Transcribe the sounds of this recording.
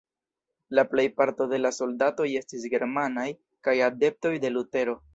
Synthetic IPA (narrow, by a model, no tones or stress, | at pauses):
laple̞jpaɾto̞de̞laso̞ldato̞je̞stis̬ɡe̞ɾmanaj | kajade̞p̚to̞jde̞lute̞ɾo̞